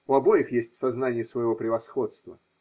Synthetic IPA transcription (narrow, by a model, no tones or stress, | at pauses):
ʊɐbo̞jɪxjesʲtʲsɐznanʲɪjəsvəjɪvo̞pɾʲɪvɐsxo̞t̪st̪və